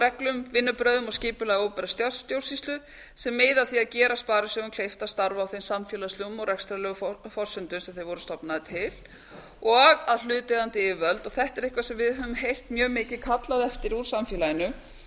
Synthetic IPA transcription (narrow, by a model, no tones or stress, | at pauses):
ɛklʏmvɪnːʏpɾœːðʏmɔɣscɪːpʏlɛɣowpɛɾast̪jawt̪jow̥sist̪lʏ | sɛmːɪːðaθiaðcɛːɾaspaːɾɪsœɣʏmkʰl̥ejft̪ast̪aɾvawθejnsamfjɛːlast̪lʏɣʏmɔɣɾɛkst̪ɾalɛɣʏffɔr̥sʏnt̪ʏnsɛmθejvɔɾʏst̪ɔpnaðɪt̪ʰɪl | ɔɣaðl̥ʏːt̪ɛðant̪ɪɪːvœlt̪ɔɣθɛht̪ɛɾɪhkvasɛmvɪðɦœvʏmɦejl̥t̪mjœːɣmɪːcɪkʰat̪laðɛft̪ɪɾuɾ̥samfjɛːlajɪnʏ